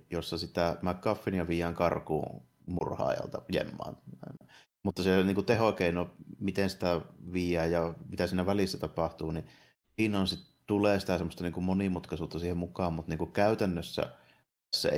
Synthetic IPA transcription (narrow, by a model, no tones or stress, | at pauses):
josːɑsit̪æmækːˑɑfˑːinjɑʋijˑæːŋkɑrkṵː | mṵrhɑ̰ːjɑ̰lt̪ɑjḛmːɑ̰ːnɑˑnɑ | mut̪ːɑseniːŋkut̪ehokeˑinomit̪ensi̥t̪æʋiːjˑæːjjɑmit̪æsiːnæʋælisːæt̪ɑpɑht̪uːni | inonsit | t̪uleːsi̥t̪æsemːost̪ɑniːŋkummonimut̪kɑsuːt̪ːɑsiːhemmukɑːmmut̪niːŋkukkæˑyt̪ænːøsːæ̰ | æsːæ̰e